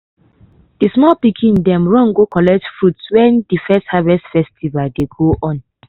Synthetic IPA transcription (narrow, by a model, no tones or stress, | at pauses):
d̥ismɔlpikʰĩndɛ̃mɹɔ̃ŋɡokɔlɛk̚tfɹutswɛ̃ndifɛsthavɛstfɛstʰivaldeɡoʔɔ̃n